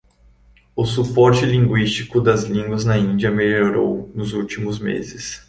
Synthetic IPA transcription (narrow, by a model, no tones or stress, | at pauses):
ʊs̬upɔɾt͡ʃɪlĩŋɡwist͡ʃikʊd̪ɐzlĩɡwɐznɐĩnd͡ʒiɐmeloɾo̰wnʊzuwt͡ʃimʊzmḛzɪs